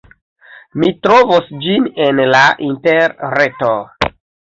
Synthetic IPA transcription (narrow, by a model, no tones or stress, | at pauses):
mitɾo̞vosd͡ʒinenlaʔinteɾɾeto